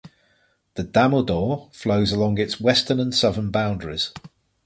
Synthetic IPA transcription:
ðədaməlˠdɔːfləʊzəlɒ̃ŋɪtswɛstənə̃nsʌðənbãʊ̃ndəɹɪ̰z̥

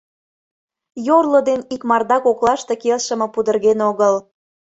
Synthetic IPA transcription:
jorlə̆d̪enikmɑrd̪ɑkoklˠɑʃt̪ekelʃə̆mə̆pud̪ə̆rɣenoɣəl

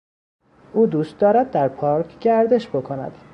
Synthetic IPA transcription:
ʔuːd̪uːst̪̚d̪ɒːɾæd̪̚ːæɾpʰɒːɾkʰɡæɾd̪e̞ʃbo̞kʰo̞næ̰d̪̥

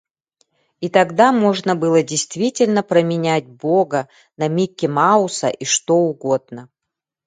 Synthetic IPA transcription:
it̪ɐɡd̪amo̞ʐnəbɨlˠədʲɪjst̪vʲitʲɪlʲnəpɾəmʲɪnʲætʲboɡə | nɐmʲikʲːɪmaʊsə̰ʔiʂt̪oʊɡo̞d̪̚nə

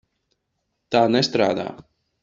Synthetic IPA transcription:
t̪aːnɛst̪ɾa̰ːd̪a̰ː

